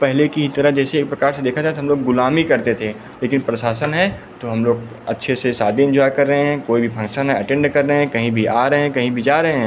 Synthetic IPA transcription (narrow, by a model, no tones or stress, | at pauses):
pɛɦlekiɦit̪ɐɾəd͡ʒɛːseːk̚pɾɐkaːɾsed̪eːkʰaat̪ɦɐmloːɡːʊlaːmikɐɾt̪et̪ʰe | leːkɪnpɾɐʃaːsənɦɛ̃ | t̪oɦɐmloːɡ | ɐtːʃʰesesaːd̪ʱiɪ̃nd͡ʒɔːjkɐɾːɐɦẽɦɛ̃koːibʱifʰɐ̃ŋkʃənɦɛ̃ɐʈɛ̃ːɳɖkɐɾːɐɦeɛ̃kɐɦĩbʱiʔaːɾɐɦẽɛ̃kɐɦĩbʱid͡ʒaːɾɐɦẽɦɛ̃ː